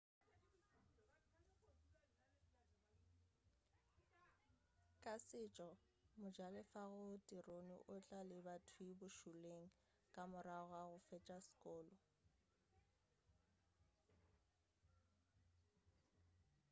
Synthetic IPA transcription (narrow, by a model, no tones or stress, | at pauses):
kʼasɪt͡ʃʼɔ | mʊd͡ʒalɪfaɣʊtʼironḭʔʊt͡ɬʼalɪbatʰwibʊʃuleŋ̩ | kʼamʊɾaɣwaɣʊfɛt͡ʃʼaskʼɔːlɔ